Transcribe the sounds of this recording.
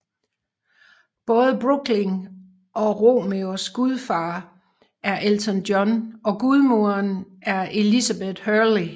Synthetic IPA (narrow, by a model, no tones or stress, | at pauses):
b̥ɔ̽ːð̞ˠəb̥ʁuɡ̥le̝ŋ | ʔɒ̽ʁo̝meosɡ̥uð̞ˠfɑ̈ː | ʔæɐʔelt͡sʰɔnd̥jɒnɒ̽ɡ̥uð̞ˠmuɐnʔæɐe̝lisæb̥eð̥ˠhœɐli